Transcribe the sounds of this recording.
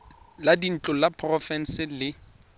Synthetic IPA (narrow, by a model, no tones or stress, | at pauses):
ladin̩t͡ɬʼʊlapʰrɔfɛn̩sɪlɪ